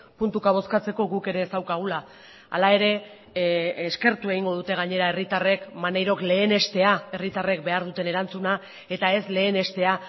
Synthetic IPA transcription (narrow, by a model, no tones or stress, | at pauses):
punt̪ukaβ̞o̞skat͡se̞ko̞ɣuke̞ɾe̞ːsawkaɣ̞ula | a̰lae̞ɾe̞ | ske̞ɾt̪ue̞ɣ̞iŋɡo̞ð̞ut̪e̞ɣ̞aɲe̞ɾae̞rit̪are̞kmanejɾo̞kle̞ːne̞st̪e̞ae̞rit̪are̞k̚be̞aɾðut̪e̞ne̞ɾant͡suna | e̞t̪ae̞sle̞ːne̞st̪e̞a